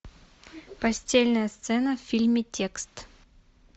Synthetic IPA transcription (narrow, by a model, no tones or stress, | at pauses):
pɐsʲtʲelʲnəjəst̪sɛnəffʲilʲmʲɪtʲe̞kst̪